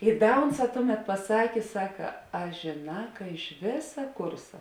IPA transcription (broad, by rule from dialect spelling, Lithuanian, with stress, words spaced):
ɪ ˈdɐ ˈʊnˌsɑː ˈtʊˌmʲɛt pɐˈsɑːkʲeː ˈsɑːkɐ ɐ ʒʲeːˈnɑː kɐ ɪʃ ˈʋʲeːsɐ ˈkʊrsɐ